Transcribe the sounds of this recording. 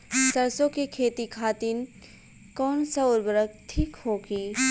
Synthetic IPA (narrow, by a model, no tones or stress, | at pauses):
sɐɾsõkekʰeːt̪ikʰaːt̪in | kɔːnsɐʊɾbəɾək̚t̪ʰiːkɦoːɡiː